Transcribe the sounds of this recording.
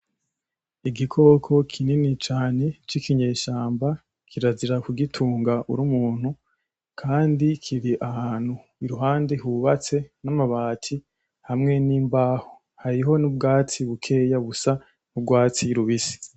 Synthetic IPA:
iɡikʰo̞ːkʰo̞kʰininit͡ʃaːne̞t͡ʃikiɲe̞ːʃaːmba | kʰiɾaziɾakuɡitʰuːŋɡaʔṵɾumuːn̥hu | kʰaːndikʰiɾiʔahaːn̥hu | iɾuɦaːndehuβat͡se̞namaβaːtʰi | hamŋe̞niːmbaːho | haɾiɦo̞nub̚ɡaːt͡siβukʰe̞jaβusa | nub̚ɡwaːt͡siɾuβisi̥

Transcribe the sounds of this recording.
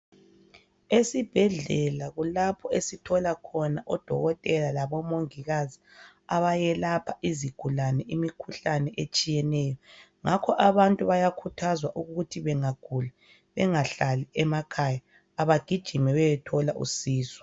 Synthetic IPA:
esib̥ʱɛɮɛlaɣulapʰɔesitʰɔlakʰɔnaʔɔd̥ʱɔ̰ɣɔtʼɛlalaβɔmoŋiɣazi | aβajɛlapʰaʔiziɡ̥ʱulanɛʔimikʰuɬanɛʔet͡ʃʼijɛnɛːjɔŋakʰɔʔaβantʼuβajakʰutʰazwaʔuɣɣutʰiβɛŋaɡ̥ʱula | βɛŋaɬalɛʔɛmakʰajaː | βaɡ̥ʱid̥ʒ̥ʱimɛβɛjɛtʰɔlaʔṵsiːsɔ̥

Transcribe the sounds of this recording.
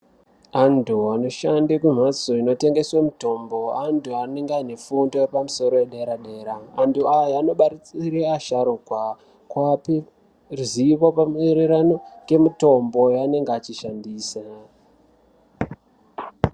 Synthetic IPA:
antuano̞ʃandekwem̤asoino̞te̞ŋɡe̞swamuto̞mbo̞antuaeŋɡane̞fundo̞epamuso̞ɾo̞eɗe̞ɾaɗe̞ːɾaːntuajaano̞ɓaɾit͡siɾeaʃaɾuɡʱwa | kwapi | ruziʋo̞pamueɾeɾano̞ɡe̞muto̞mbo̞jane̞ŋɡat͡ʃiʃandiːsa

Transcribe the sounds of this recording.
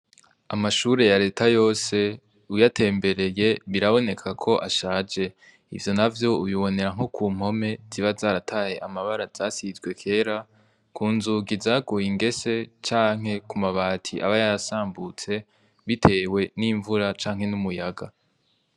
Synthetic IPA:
amaʃuːɾe̞jaɾe̞ːtʰajo̞ːse̞ | ujatʰe̞ːmbe̞ɾe̞je̞βiɾaβo̞ne̞kʰakʰo̞ʔaʃaːd͡ʒe̞ | ḭvjo̞navjo̞uβiβo̞ne̞ɾaŋ̥okʰuːm̥ho̞me̞z̥iβazaːɾatʰaːhe̞ʔamaβaɾaz̥aːsizɡwe̞kʰe̞ːɾa | kuːnzuɡizaːɡujiŋɡe̞se̞t͡ʃaːŋ̥e̞kumaβaːtʰiʔa̰βajaɾasaːmbut͡se̞ | βitʰe̞ːwe̞niːɱvuɾat͡ʃaːŋ̥e̞numujaɡa

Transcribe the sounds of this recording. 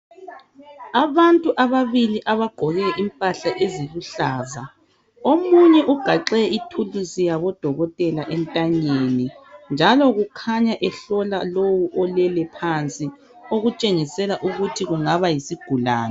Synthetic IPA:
aβantʼuʔaβaβiliʔaβaɡ͡ǃ̥ʱɔɣɛʔimpʼaɬaʔeziluɬaːza | omuɲɛʔuɡ̥ʱaǁɛitʰulisijaβɔd̥ʱɔɣɔtʼɛlaʔɛntʼaɲenind͡ʒʱalɔɣukʰaɲaʔɛɬɔlalowuʔɔlɛlɛpʰant͡sʼi | oɣut͡ʃʼeŋisɛlaʔuɣutʰiɣuŋaβajisiɡ̥ʱula̰ːna

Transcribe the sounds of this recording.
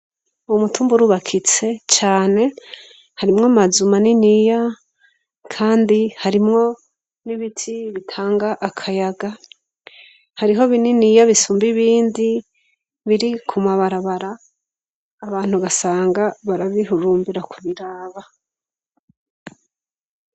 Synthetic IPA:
umutuːmbuɾuβakʰit͡se̞t͡ʃaːne̞ | haɾimŋamazumaninija | kʰaːndihaɾimŋo̞ | niβitʰiβitʰaːŋɡaʔakʰajaɡa | haɾiɦo̞βininijaβisuːmbiβiːndi | βiɾikʰumaβaɾaβaɾaː | βaːn̥huɡasaːŋɡaβaɾaβihuɾuːmbiɾakʰuβiɾaːβa

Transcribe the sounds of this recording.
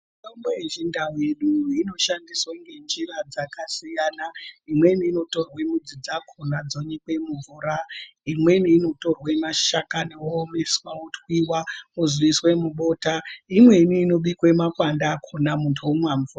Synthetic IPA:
miitombojeʒindawe̞ɗuino̞ʃandiswaŋɡe̞nd͡ʒirad͡zakasijaːnaimwe̞niːno̞to̞rwe̞mud͡zid͡zakʰonad͡zoɲekwe̞muɱvuɾaimwe̞niːno̞to̞rwemaʃakanewoːme̞swautwiwauzwiswe̞muɓo̞taimwe̞niːno̞ɓikwe̞makwandakʰonamuntʰuwomwaɱvura

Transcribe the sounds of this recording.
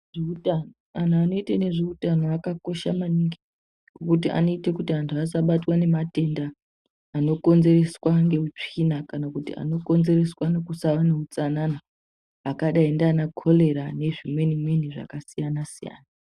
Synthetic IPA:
ʐeutanoan̤uano̞itene̞ʐeutano̞akako̞ʃamaniŋɡi | ɡokutia̰no̞itekutiantʰuasaɓatwane̞mate̞ndaː | no̞ko̞nze̞re̞swaŋɡe̞ut͡ʂinakanakutḭa̰no̞ko̞nze̞re̞swanekusawaneut͡sanana | akaɗaindanakʰo̞le̞ɾane̞ʐimwe̞nimwe̞niʐa̰kasijanasija̰ːna

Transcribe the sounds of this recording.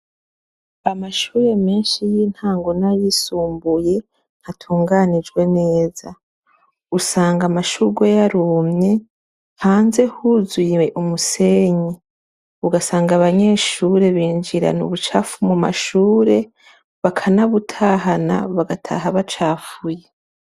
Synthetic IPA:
amaʃuːɾe̞meːnʃijiːn̥haːŋɡo̞najisuːmbuje̞ | n̥hatʰuːŋɡanid͡ʒɡwe̞neːza | usaːŋɡamaʃuɡwejaɾumɲe̞ | haːnze̞huzijeʔumuse̞ɲi | uɡasaːŋɡaβaɲe̞ːʃuːɾe̞βiːnd͡ʒiɾa̰nṵβut͡ʃafumuma̰ʃuːɾe̞ | βakʰanaβutʰaːɦana̰βaɡatʰa̰ɦaβat͡ʃaːfuje

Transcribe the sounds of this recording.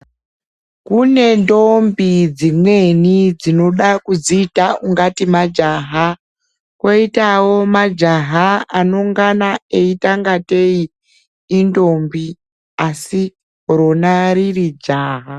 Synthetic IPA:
kune̞ndo̞mbid͡zimwe̞nid͡zino̞ɗakud͡ziːtauŋɡatimad͡ʒaɦa | kwo̞itawo̞mad͡ʒaɦaano̞ŋɡanae̞itaŋɡate̞iː | ndo̞mbi | asi | koɾo̞naririd͡ʒaːɦa

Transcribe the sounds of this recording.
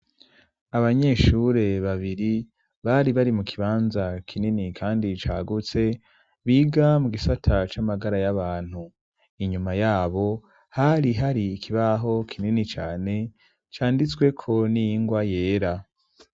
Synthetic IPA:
aβaɲe̞ʃuɾe̞βaβiɾi | βaɾiβaɾimukʰiβaːnzakʰininikʰaːndit͡ʃa̰ːɡut͡se̞ | βiːɡamuɡisatʰat͡ʃamaɡaɾajaβaːn̥hu | iɲumajaːβo̞ | haɾiɦaɾikʰiβaɦo̞kʰininit͡ʃa̰ːne̞ | t͡ʃaːndit͡swe̞kʰo̞nijiŋɡwaje̞ːɾa

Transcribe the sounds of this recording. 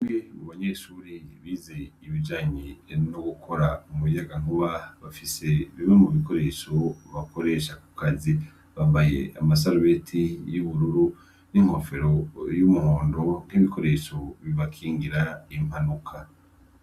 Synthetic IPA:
amɡeuβaɲeːʃuːɾiβiːze̞iβid͡ʒaːɲenoɡukʰo̞ɾaumuβijaɡaŋ̥uβaβafise̞βimemuβiko̞ɾe̞ʃoβako̞ɾe̞ːʃaku̥kazi | βaːmbajḛa̰mas̬aɾuβetʰijuβuɾuɾu | niŋ̥ho̞fe̞ɾo̞jumuhoːndo̞n̥iβikʰo̞ɾe̞ʃoβiβakʰiːŋɡiɾaim̥hanukʰa

